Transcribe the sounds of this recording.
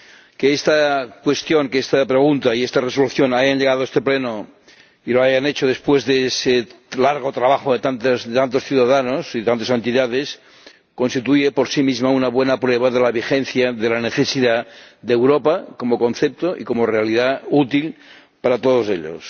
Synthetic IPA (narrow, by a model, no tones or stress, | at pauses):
keest̪akwe̞st̪joŋkeest̪apɾeɣ̞unt̪aiest̪aresoluθjonajanʎeɣað̞oest̪epleno | iloajanet͡ʃoð̞espwezðeeselaɾɣ̞ot̪ɾaβaxoðet̪ant̪azðet̪ant̪o̞sθjuð̞aðanosiðt̪ant̪osent̪iðaðes | konst̪it̪ujepoɾsimizmaunaβwenapɾweβaðelaβ̞ixenθjaðelaneθesiðad̪ewɾopakomoko̞nθep̚t̪oʔḭkomorealiðaut̪il | paɾat̪oðoseʎo̰s